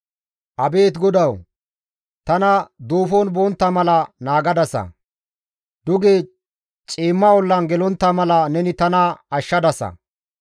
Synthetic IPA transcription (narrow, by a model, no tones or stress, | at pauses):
ʔɐbe̞ːt̪ɡɔd̪ɐw | t̪ɐnɐd̪oːfonboːnt̪ːɐmɐlɐnaːɡɐd̪ɐsɐ̰ | d̪ʊɡe | t͡ʃʼiːmːɐwɔlːɐnɡɛlɔnt̪ːɐmɐlɐnɛnɪt̪ɐnɐɐʃːɐd̪ɐsɐ̰